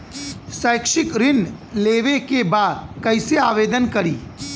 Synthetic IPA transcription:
səjkʃɪkɾɪnleːʋekebaːd̪kɐɪseaːʋeːd̪ənkɐɾḭː

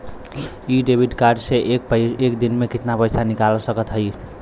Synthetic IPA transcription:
iɖebʱiɖkaɾɖseʔekpəekd̪inmekit̪napəjsanikalsəkət̪ɦəj

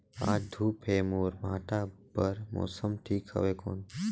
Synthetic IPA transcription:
a̰ːd͡ʒd̪ʱuːpeːmoːɾmãːʈabəɾmo̰ːsəmʈʰiːkɦə̰ʋeːko̰ːn

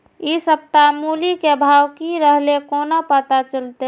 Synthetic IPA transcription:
isəp̚t̪amulikebʱawkiɾəɦlekonapət̪at͡ʃəlt̪e

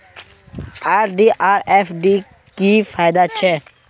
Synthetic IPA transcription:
aːɾɖiʔaːɾefɖi | kiːfʰaːjd̪at͡ʃʰɛː

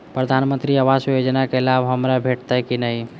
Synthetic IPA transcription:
pɾəd̪ʱanmənt̪ɾiaʋasjod͡ʒnakelabɦəmɾabʱeʈt̪akinəi

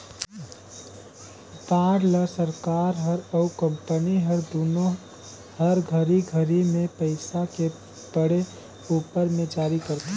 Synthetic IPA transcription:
baːɽləsəɾkaːɾɦəɾɔʊkə̃mpəniɦɐɾd̪oːnõ | həɾɡʱəɾiɡʱəɾimẽpəɪsake | bəɽe | uːpəɾmẽd͡ʒaːɾikəɾt̪e

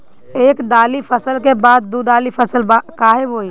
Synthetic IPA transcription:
eːkɖ̪aːlipʰəsəlkebaːd̪̚ːuɖaːlipʰəsəlbakaːɦeboi

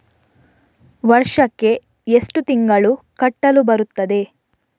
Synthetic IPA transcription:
ʋɐɾʂɐkːe̞ | esʈut̪iŋɡɐɭukɐʈːɐlubɐɾut̪ːɐd̪e̞

